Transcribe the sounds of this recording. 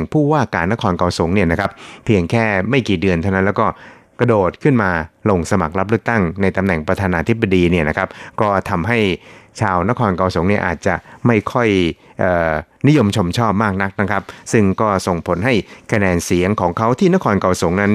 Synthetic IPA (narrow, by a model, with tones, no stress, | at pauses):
ŋpʰuː˥˩waː˥˩kaː˨˧nːa˦˥kʰɔː˧nka˧wso˨˩˦ŋni˥˩ɐna˦˥kʰpʰːi˧əŋkʰɛː˥˩ma˥˩jkiː˨˩dɯ˧ənt̪ʰa˥˩wna˦˥nlɛː˦˥kɔː˥˩ | kɾa˧doː˨˩t̪̚kʰɯ˥˩nmaː˧lo˧ŋsa˧ma˨˩k̚la˦˥p̚lɯ˥˩ək̚t̪a˥˩ŋna˧jt̪a˧mnɛ˨˩ŋpɾa˧t̪ʰaː˧naː˧t̪ʰi˦˥bːa˧diː˧ni˥˩ɐna˦˥kʰa˦˥p̚kɔː˥˩t̪ʰa˧mɦa˥˩jt͡ɕʰaː˧wna˦˥kʰɔː˧nka˧wsu˨˩˦ŋni˥˩ɐʔaː˨˩t̪̚t͡ɕa˨˩ma˥˩jkʰɔ˥˩jʔəː˨˩ni˦˥jo˧mt͡ɕʰo˧mt͡ɕʰɔː˥˩p̚maː˥˩k̚na˦˥k̚na˦˥kʰɾa˦˥p̚sɯ˥˩ŋkɔː˥˩so˨˩ŋpʰo˩˦nɦa˥˩jkʰa˧nɛː˧nsi˨˩˦əŋkʰɔː˩˦ŋkʰa˦˥wt̪ʰiː˥˩na˥kʰɔː˧nka˧wso˩˦ŋna˦˥n